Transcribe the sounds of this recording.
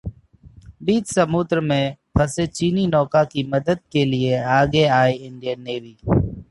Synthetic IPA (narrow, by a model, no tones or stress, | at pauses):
biːt͡ʃsɐmuːd̪ɾəmẽpʰɐset͡ʃiːninɔːkakimɐd̪əd̪̚kelieaːɡeaːeɪ̃ɳɖijənːeːʋiː